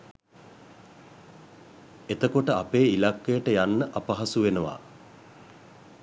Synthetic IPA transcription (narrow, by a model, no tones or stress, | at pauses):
et̪əkoʈəapeːilakːejəʈəjanːəʔapɐɦasuʋenəʋa̰